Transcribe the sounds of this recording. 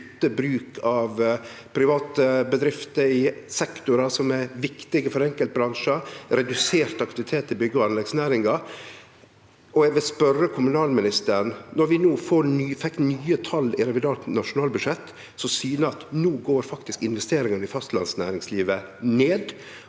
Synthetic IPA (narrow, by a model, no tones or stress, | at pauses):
t̪ːəbɾʉːkʰɑʋ | pʰɾɪʋɑːt̪əbəd̪ɾɪft̪əɾɪsɛkt̪ʊɾɑsɔmæʋɪkt̪ɪɡəfɔɾɛŋkəlt̪̚bɾɑŋʂəɾɛd̪ʉseːɾt̪ɑkt̪ɪʋɪt̪ʰeːt̪ɪbʏɡːəɑʋɑnlɛɡsnæːɾɪŋɑ | ɔɛɡʋɪlspœɾəkʰʊmʉnɑːlmɪnɪst̪əɾnnɔɾʋɪnuːfoːɾfɛkːnyːət̪ʰɑlːɪɾɛʋɪd̪ɑːɾt̪nɑʂʊnɑːlbʉʂɛt̪ː | sɔsyːnəɑt̪nuːɡoːɾfɑkt̪ɪskɪnʋɛst̪eːɾɪŋənəɪfɑst̪lɑ̰nsnæ̰ːɾɪŋsliːʋəneːd̪